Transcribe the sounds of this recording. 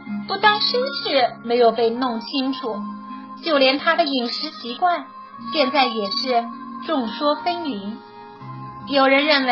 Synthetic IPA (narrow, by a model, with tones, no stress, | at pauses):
pu˥˩t̪ɑ˥ŋʂə˥nʂɻ̩˥˩me˧˥ɪjo˨˩ʊpe˥˧ɪnʊ˥˩ŋt͡ɕʰi˥ŋʈ͡ʂʰu˨˩˦ | t͡ɕjo˥˩ʊljɛ˧˥nt̪ʰa˥d̪ə˨i˨˩ŋʂɻ̩˧˥ɕʰi˧˥kwa˥˩n | ɕjɛ˥˧nt͡sa˥˩ɪjɛ˨˩ʂɻ̩˥˧ʈ͡ʂʊ˥˩ŋʂwɔ˥fe˥ɪni˧˥n | jo˨˩ʊɻə˧˥nɻə˥˩nwe˧˥